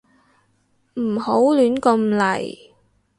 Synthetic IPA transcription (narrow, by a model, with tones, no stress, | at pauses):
m̩˨˩ho˨˥wlyː˨˥nkɔ˧mlɐ̰˨˩j